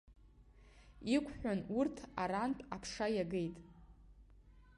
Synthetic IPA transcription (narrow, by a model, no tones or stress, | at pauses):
ikʷʰʼħᶣʷanurtʰaɾantʼapʰʂajaɡejtʼ